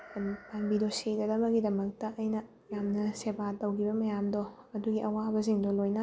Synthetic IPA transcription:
paŋbidosidɐdɐbɐɡidɐmɐk̚tɐʔɐjnɐ | jamnɐsebatɐwkʰibɐmɐjamdo | ɐduɡiʔɐwabɐziŋdolojnɐ

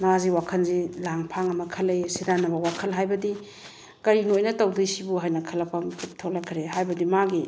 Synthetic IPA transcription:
maziwakʰɐnzilaŋpʰaŋɐmɐkʰɐlejsidanɐbɐwakʰɐlɦajbɐdi | kɐɾinojnɐtɐwdɯjsibuɦajnɐkʰɐlɐpʰaŋkʰitʰolɐkʰɾehajbɐdimaɡi

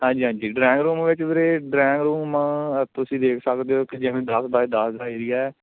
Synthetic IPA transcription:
ɦãːɲd͡ʒiːɦãːɲd͡ʒiːɖɾɛːŋɡɾuːmʋɪt͡ʃbeɾeːɖɾɛːŋɡɾuːmt̪ʊsĩːd̪eːkʰsəkd̪eoːkid͡ʒɪʋẽːd̪əsd̪aːid̪əsd̪aːiːɾiːɛː

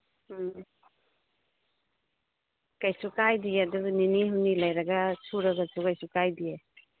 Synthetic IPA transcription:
kajsukajdiadubniniɦunilajɾɐɡasuɾaɡasukajsukajdie

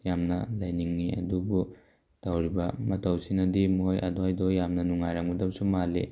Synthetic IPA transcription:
jamnɐlɐjniŋːiɐ̰dubu | d̥awɾibɐmɐtʰɐwsinɐdimojɐ̰dojdojːamnɐnuŋajɾaŋudɐp̚sumalḛ

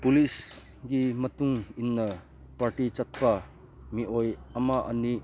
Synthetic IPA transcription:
pulis | ɡimɐtuŋinːɐ | paɾʈit͡ʃɐt̪̚pɐ | miojɐmɐʔɐ̰ni

